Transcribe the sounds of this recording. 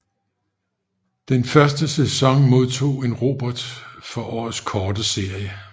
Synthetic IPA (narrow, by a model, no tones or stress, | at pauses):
d̥enfɶɐsd̥əsesɒ̽ŋmo̝ð̞ˠt͡sʰo̝̰ːe̝nʁo̝ːb̥ɒd̥fɒ̽ʔɒ̰ːð̩ˠskʰɒːd̥əse̝ɐ̰jə